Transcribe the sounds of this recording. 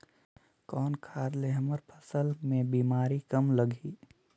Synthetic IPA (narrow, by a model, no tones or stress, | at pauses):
kɔːnkʰaːd̪leɦməɾpʰəsəlmẽbiːmaːɾikəmləɡʱiː